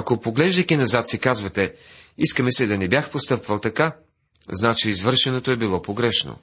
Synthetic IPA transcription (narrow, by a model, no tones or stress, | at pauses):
ɐkopoɡlɛʒd̪əkʲinɐzat̪sikazvɐt̪ɛiskəmɛsɛd̪ɐnɛbjaxpost̪ɤpvɐlˠt̪ɐka | znat͡ʃiːzvɤɾʃɛnot̪oɛbilˠɔpoɡɾɛʃno̰